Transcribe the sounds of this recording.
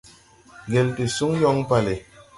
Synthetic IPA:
ɡɛ˨lte˨su˦ŋjɔ˦ŋ˦pa˨le˨

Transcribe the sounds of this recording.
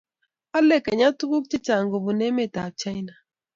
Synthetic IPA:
a˦lɛ˦˨ka˨ɲa˦tu˦ku˦k̚t͡ʃe˦t͡ʃa˨ŋɡo˨bu˨nɛ˦me˦˨ta˨t͡ʃa˦i˦na˨

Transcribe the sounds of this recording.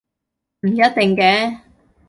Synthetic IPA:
m̩˨˩jɐ˦˥t̪̚t̪e˨ŋkɛː˧˥˦

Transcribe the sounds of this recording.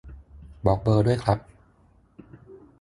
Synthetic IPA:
bɔː˨˩k̚bɤː˧du˥˩əjkʰɾa˦˥p̚

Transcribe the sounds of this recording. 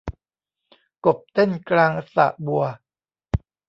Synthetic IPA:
ko˨˩p̚t̪e˥˩nklaː˧ŋʔsa̰˨˩˦ʔbu˨˩ɐ

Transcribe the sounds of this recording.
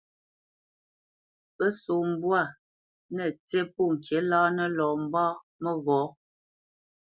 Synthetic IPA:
pə˦so˨m̩˦bwa˦˨ | nə˨t͡se˦˨po˦˨ŋ̩˨kje˨˦laː˦nə˦lɔː˨m̩˦baː˦ | mə˦ɣɔ˨˦

